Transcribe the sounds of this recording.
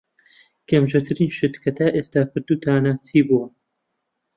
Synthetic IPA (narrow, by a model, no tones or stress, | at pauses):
kʰemʒɐt̪ʰɨɾiːnʃɨt̪kʰɐt̪ʰaːʔeːst̪aːpʰɨɾd̪uːt̪ʰaːnaːt͡sʰiːbuwɐ